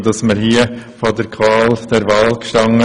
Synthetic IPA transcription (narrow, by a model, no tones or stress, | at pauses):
dɑsməɾhiəfodəɾkʰvɑːld̪̥ɛɾʋɑlkʃtɑŋə